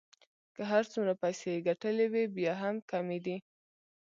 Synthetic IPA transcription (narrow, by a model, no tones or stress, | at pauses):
kəɦaɾt͡sumɾapajseɡaʈəlewibjɑɦamkamed̪i